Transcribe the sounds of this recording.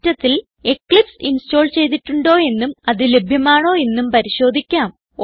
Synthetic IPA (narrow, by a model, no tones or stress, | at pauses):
tːɐt̪ːil | e̞kɭipsinsto̞ːlt͡ɕe̞jt̪̬iʈːuɳɖo̞ːe̞nːumɐðɨle̞bʱjɐmaːɳo̞ːe̞nːumpɐɾiɕo̞ːd̪ʱikʲːaːm